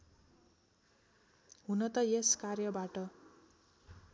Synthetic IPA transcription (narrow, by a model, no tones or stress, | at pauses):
ɦunʌt̪ʌjeskarjʌbaʈʌ